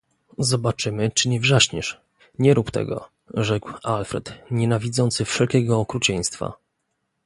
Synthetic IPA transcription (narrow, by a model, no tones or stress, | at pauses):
zɔbat͡ʂɘmɘt͡ʂɘɲɛvʐaɕɲɛʂ | ɲɛɾupt̪ɛ̰ɡɔ̰ | ʐɛkwalfɾɛ̰t̪ɲɛnavʲid̪zɔnt̪sɘfʂɛlkʲɛɡɔːkɾut͡ɕɛj̃st̪fa̰